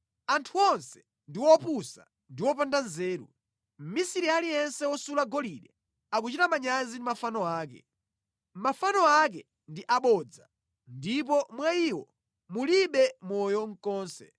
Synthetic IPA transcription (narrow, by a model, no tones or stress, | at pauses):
antʰuɔnsɛ̥ | ndiwɔpusa̰ | ndiwɔpandanzɛːɾṵ | m̩misiɾialijɛnsɛwɔsulaɡɔliɗɛ | ak̬ut͡ʃitamaɲazindimafanɔaːk̬ɛ̰ | mafanɔak̬ɛ | ndiʔaɓɔːd͡za | ndip̬ɔmwaiwɔ̰ | muliɓɛmɔjɔŋ̩kɔːnsɛ̰